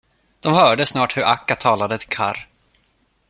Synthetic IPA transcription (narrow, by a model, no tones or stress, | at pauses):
d̪̥ɔmhœːɖəsnɑːʈhɵɾʔakːat̪ʰɑːlad̪ət̪ʰɪkʰa̰ɾ